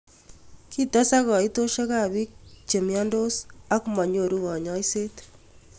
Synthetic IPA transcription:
ki˦tɔ˦sa˦kɔ˨i˦to˦ʃe˦ka˦˨bi˦k̚t͡ʃe˨mja˦ndo˦sa˦kmɔ˨ɲo˨ɾu˦ɣɔ˨ɲɔ˦jse˦t

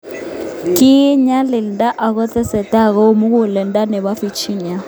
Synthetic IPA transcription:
kʼi˦ɲa˦lɪ˨nda˦ʔa˨k̬ɔ˦t̪ʰɛ˦sɛ˨tʼa˦˨k̬ɔ˦mu˦k̬u˦lɛ˨nda˦nɛ˨βa˦fi˨t͡ʃʰi˦ɲa˦

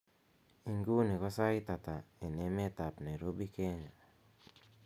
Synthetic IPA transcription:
i˨ŋɡu˦ni˨kɔ˦sa˦it̪a˨t̪a˨e˨ne˦me˦t̪a˨pna˨i˨ɾo˦bi˦ke˦ɲa˨

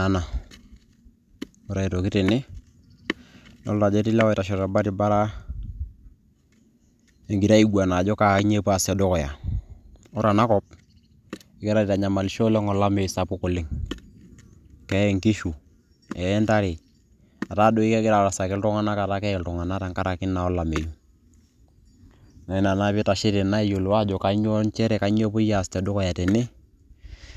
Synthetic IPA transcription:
a˦na˨ | ɔ˦ɾa˨i˨to˨ki˦ti˨nɪ˦ | no̰˦lta˨d͡ʒɔ˦ti˦la˦wi˦ta˨ʃɔ˨ta˨ba˦ti˨ba˦ɾa˦ | e˨ŋɡi˨ɾa˦i˨ɡua˨na˨d͡ʒɔ˦ka˨ki˦ɲe˦pa˨sa˨do˦kɔ˨ja˨ | ɔ˦ɾa˨na˦kɔ˦p̚ | ɪ˨ɡi˦ɾa˦i˨ta˨ɲa˨ma˨lʃo˦le˦ŋɔ˨la˦mo˨i˨sa˨pu˦ku˨lɪ˦ŋ | kɛ˦ɛ˨ŋki˦ʃu˨ | ɛ˨ɛ˦nta˦ɾi˨ | a˨ta˦do˦i˦ke˦ɡɪ˦ɾa˨ɾa˨sa˨kɪ˦ltʊ˦ŋa˦na˦ka˨ta˦kɛ˦ɛ˨ltʊ˨ŋa˨na˦ta˨ŋka˦ɾa˨kɪ˦nːa˨ɔ˦la˨me˨ju˦ | na˨i˨na˨na˦pɪ˦ta˨ʃɪ˦ɾɪ˨na˦i˦jo˨lwa˦d͡ʒɔ˨ka˨˦ɲo˦nt͡ʃɛ˦ɾɛ˨ka˨˦ɲ˦e˦pʊ˦ja˦˨stɛ˨dʊ˦kɔ˨ja˨te˨nɪ˦

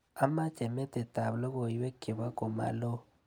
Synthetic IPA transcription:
a˦ma˦t͡ʃe˨me˦te˨ta˨βlo˦ɣo˨i˨˦we˦ke˨βa˦ko˨ma̰˨lo˦

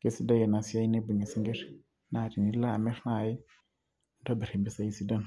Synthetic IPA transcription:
ke˦si˦da˦jɛ˨na˨si˦a˦i˦ne˦bu˨ɲa˨si˦ŋɡe˦r | na˨di˨ni˦la˦˨mɛ˦rna˨jɪ˦ | nta˦bɛ˨ɾe˨mbi˦sa˨i˦si˦da˦n˨

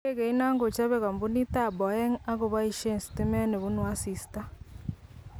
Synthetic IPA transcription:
e˦ɣe˨i˦na˦ŋɡo˨t͡ʃa˦βɛ˦ɣa˨mbu˦ni˦ta˦˨bɔ˨ɛ˦ŋa˦ɣo˨βa˦i˨ʃe˦˨nsi̥ti˦mɛ˦ne˨βu˦nwa˦si˨sta˦

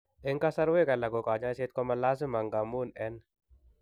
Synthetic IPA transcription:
ɪ˦ŋka˦sa˦ɾwe˦ka˨la˨ko˨ka˨d͡ʒa˦jse˦t̪̚kɔ˦ma˦la˦s̬ɪ˦ma˨ŋɡa˨mu˦nɛ˦n

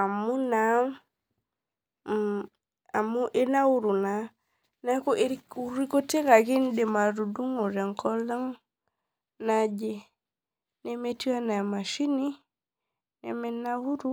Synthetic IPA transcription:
a˨mu˦na˨˦ŋ | a˨mu˦ʔe˦na˦wu˦ɾu˨na˨ | na˦ko˦ʔe˦ɾu˦ɾi˦ko˦te˦ka˨ki˦nde˨ma˨ɾu˨du˦ŋo˨ɾɛ˨ŋkɔ˦la˦ŋ | na˦d͡ʒe˦ | ne˦me˦ti˦a˦na˨ma˨ʃi˦ni˦ | nɛ̰˨me˦na˦wu˦ɾu˦

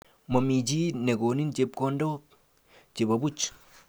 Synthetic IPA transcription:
mo˨mi˨t͡ʃi˦ne˨ko˨ni˦nt͡ʃe˦pko˦ndo˦ | t͡ʃe˨βa˨βu˦t͡ʃo̥˨

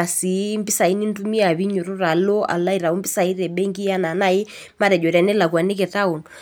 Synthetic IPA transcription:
a˨si˨˦mbi˦sa˨i˦ni˦n˦tu˦mi˦a˨βi˦ɲo˨ɾo˦ra˨lo˦a̰˨la˦i˨ɾa˨o˦mbi˦sa˨i˦ɾɛ˨ɓɛ˦ŋɡi˦ja˦na˨na˦˨i˦ | ma˦ɾɛ˨d͡ʒɔ˨ɾja˨nɛ˦la˨kwa˨ne˦k̬ɛ˨ta˦o˨n

